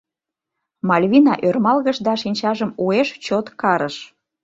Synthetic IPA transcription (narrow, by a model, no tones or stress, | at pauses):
mɑlʲβinɑʔørmɑlɣəʃd̪ɑʃinʲt͡ɕɑʒəmueʃt͡ɕot̪kɑɾəʃ